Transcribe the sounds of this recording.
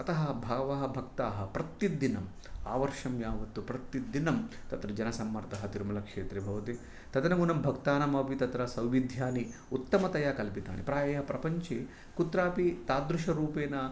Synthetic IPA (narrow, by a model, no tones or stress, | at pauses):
ɐt̪ɐɦɐbʱaːʋɐɦɐbʱɐk̚t̪aːɦɐ̆pɾɐt̪ːid̪inɐm | a̰ːʋɐɾʂɐmjaːʋɐt̪ːupɾɐt̪ːid̪inɐmt̪ɐt̪ɾɐd͡ʒɐnɐsɐmːɐɾt̪ɐɦɐt̪iɾmɐlɐkʂeːt̪ɾebʱɐʋɐt̪i | t̪ɐt̪ɐnɐɡunɐmbʱɐkt̪aːnɐmɐpit̪ɐt̪ɾɐsɐwʋid̪ʱjaːni | ut̪ːɐmɐt̪ɐjaːkɐlpit̪a̰ːnḭpɾaːjɐɦɐpɾɐpɐɲt͡ʃe | kut̪ɾaːpit̪aːd̪ɾuʂɐɾuːpeːnɐ